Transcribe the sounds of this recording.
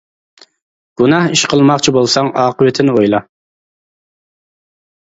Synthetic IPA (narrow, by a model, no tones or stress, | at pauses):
ɡ̥unɑhiʃqʰəlˠmɑqt͡ʃʰibolˠsɑŋɑːqʰəwɪt̪ʰɪnɪojlˠɑ